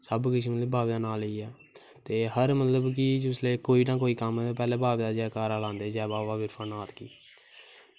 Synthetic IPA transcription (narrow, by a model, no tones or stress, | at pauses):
səbkɪʃleːbʱaːʋd̪aːnaːləiːɛː | t̪eːɦəɾmət̪ləbk̬id͡ʒʊsleːkoːiːnãːk̬oːiːkəmpɛːleːbʱaːʋd̪aːd͡ʒɛːkaːɾaːlãːnd̪eːd͡ʒɛːbaːʋaːʋɪɾpʰaːnaːt̪kiː